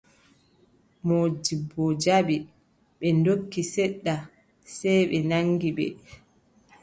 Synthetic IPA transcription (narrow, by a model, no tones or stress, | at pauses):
moːd͡ʒibɔd͡ʒaɓi | ɓɛndokːisɛɗːa | sɛjɓɛnaŋɡiɓɛ̰